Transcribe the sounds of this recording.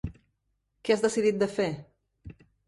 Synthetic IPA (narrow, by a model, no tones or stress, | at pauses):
keazðəsiðit̪̚d̪əfe